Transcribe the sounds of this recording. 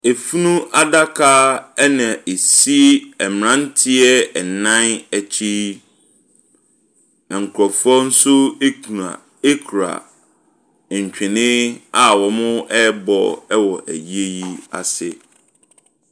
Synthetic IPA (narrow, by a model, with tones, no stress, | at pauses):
e˨fu˦nũ˦ʔa˦da˦kʰa˦ɛ˦nã˨ʔe˨si˦ɛ˨m˨ɾã˦n̩˦tʰɪ˦ɛ˦ɛ˨nã˦næ˨t͡ɕʰi˦ | ɛ˨ŋ̩˨kʰɾɔ˨fɔ˦n̩˦sʊ˦e˦a˨ | e˦kʰɾa̰˨ | ɲ˨t͡ɕᶣɪ̃˨nɪ̃˦a˨wɔ˨mʊ̃˦ɛ˦bɔ̰˨ɛ˦wɔ˨ʔæ̰˨ji˦e˦ji˦a̰˨sɪ˦